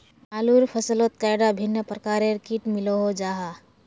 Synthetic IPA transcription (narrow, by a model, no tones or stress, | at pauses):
aːluɾpʰəsəlot̪̚kajɖabʱinːəpɾəkaɾeɾkiʈmiloɦod͡ʒaɦa